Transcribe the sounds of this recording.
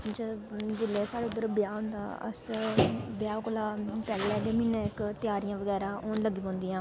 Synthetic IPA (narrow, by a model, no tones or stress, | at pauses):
d͡ʒəd͡ʒɪleːsaːɽeʊd̪əɾbɪjaːɦʊ̃nd̪a̰ːə̰s | bɪjaːkolaːpɛːlːɛːd̪eːmɪneːɪkt̪ɪjaːɾijãːʋəɡɛːɾaːoːnləɡiːpõːnd̪iːãː